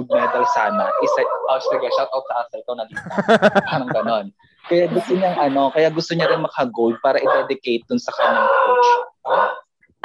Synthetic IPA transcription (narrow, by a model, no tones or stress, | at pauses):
d̪̚mɛt̪ɐlsaːnɐʔɪsɛʔasɐɡɐʃawt̪̚ʔɐwt̪sɐʔasɐlk̪onɐɡ̪it̪ɐpaɾɐŋɡɐno̞n | kɐjaɡʊst̪oɲaŋʔɐno̞kɐjaɡʊst̪oɲaɾɪnmɐkɐɡowd̪̚paːɾɐʔɪd̪ɛd̪ɪkejt̪̚d̪ʊnsɐkɐɲɐɲɐŋt͡ʃ